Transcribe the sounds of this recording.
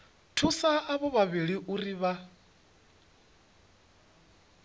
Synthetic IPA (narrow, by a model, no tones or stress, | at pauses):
tʰusaːβɔβaβiɺiʔuriβa